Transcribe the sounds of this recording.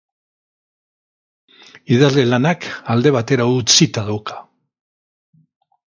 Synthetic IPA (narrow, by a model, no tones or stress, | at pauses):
iðazlelanakald̪e̞β̞at̪e̞ɾaut͡sit̪aðawkḁ